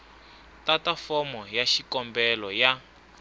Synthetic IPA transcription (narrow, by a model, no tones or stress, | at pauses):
tatafɔmɔjaʃikɔmbɛlɔja